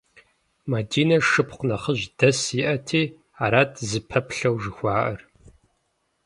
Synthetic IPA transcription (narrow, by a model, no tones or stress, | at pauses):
madiːnɐʂɨpqʷnɐχəʑd̥ɐsiʔɐtʰiː | aːɾaːtʰzɨpʰɐpɬɐwʒɨxʷɑːʔɐr